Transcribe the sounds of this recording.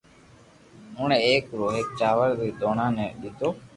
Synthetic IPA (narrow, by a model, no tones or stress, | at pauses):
ʊ̃ːɳẽːeːkɾoːɦek̚t͡ʃaːʋəɾd̪iːd̪oːɳãːnẽːɗɪt̪oː